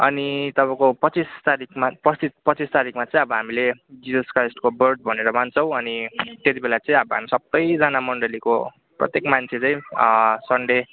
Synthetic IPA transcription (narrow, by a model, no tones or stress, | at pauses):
ʌ̰nit̪ʌpãkopʌt͡sist̪aɾikʰmapʌt͡sipʌt͡sist̪aɾikmat͡sʌ̃ĩʌbʌɦamiled͡zisʌskrajsʈkobʌrɖ̚bʱʌneɾʌmant͡sʰʌ̃w̃ʌnit̪et̪ibelat͡sʌĩʌbʌɦa̰misʌbːʌjd͡zʌnamʌɳɖʌliko | prʌ̰t̪jekmant͡sʰet͡saĩsʌɳɖe